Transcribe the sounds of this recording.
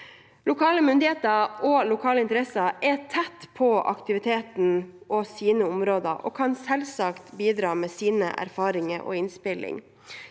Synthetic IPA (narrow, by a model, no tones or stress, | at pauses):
lʊkʰɑːləmʏnd̪ɪheːt̪əɾolʊkʰɑːləɪnt̪əɾɛsɑɛt̪ʰɛt̪ːpʰɔʔɑ̰kt̪ɪʋɪt̪ʰeːt̪n̩ʔɔsiːnəʊmɾoːd̪əɾʔo̰ːkʰɑnsɛlsɑkt̪biːd̪ɾɑːmɛːsiːnə̰ʔæ̰ɾfɑːɾɪŋəʔɔ̰ɪnspɪlɪ̰ŋ